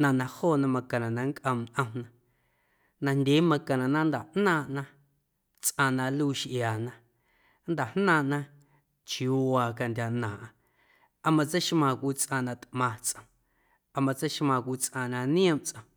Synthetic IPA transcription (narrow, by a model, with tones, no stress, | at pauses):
nã˧˨nã˧hoː˦˨nã˧mã˧kã˨nã˨nã˧ŋkʼʔə̃˧mʔə̃˧mnã˧ | nã˧ndʲe˨˦mã˧kã˨nã˨nã˦nd̪a˨ʔnãː˦˨ʔnã˧ | t͡sʔã˧nã˧luː˦ʃʔjaː˨nã˧˦ | nd̪a˨hnãː˧˨ʔnã˦ | t͡ʃjuː˨˦waː˧ka˧ndʲa˧nã˨ʔã˧ | ʔa˧mã˧t͡sə˦jʃmãː˧˨kʷiː˧˦t͡sʼʔã˧˨nã˧t̪mã˧t͡sʔə̃˨ | a˧mã˧t͡sə˦ʃmã˧˨kʷiː˧˦t͡sʔã˧nã˧nĩ˦ə̃˦˨mt͡sʼʔə̃˧